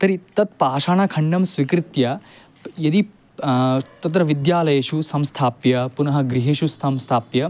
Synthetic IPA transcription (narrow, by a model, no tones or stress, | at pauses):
t̪ɐɾit̪ɐt̪̚paːʃaːɳɐkʰɐɳɖɐmsʋikɾit̪jɐ | jɐd̪i | t̪ɐt̪̬ɾɐʋid̪jaːlɐjɐʃusɐmst̪ʰaːpjɐpunɐɦɐ̆ɡɾiɦeʃust̪ʰɐmst̪ʰaːpjɐ